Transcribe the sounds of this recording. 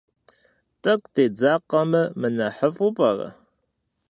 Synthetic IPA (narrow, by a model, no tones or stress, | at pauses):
tʼɐkʷʼteːd͡zaːqɐmɨmɨnɐħəfupʼɐrɐ̰